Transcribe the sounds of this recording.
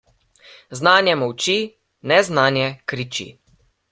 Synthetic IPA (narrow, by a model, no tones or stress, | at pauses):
znaːnjɛmɔwt͡ʃi | nɛznaːnjɛkɾit͡ʃḭ